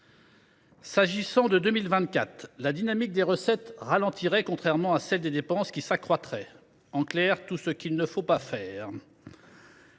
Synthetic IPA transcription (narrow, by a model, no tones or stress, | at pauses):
saʒisɑ̃d̪əd̪ømilvɛ̃t̪̚kʲat̪lad̪inamik̚d̪eʁəsɛt̪ʁalɑ̃t̪ʰiʁɛkɔ̃t̪χɛʁmɑ̃asɛld̪ed̪epɑ̃skʲisakχwat̪χɛ | ɑ̃klɛʁt̪usəkʲilnəfopafɛːʁ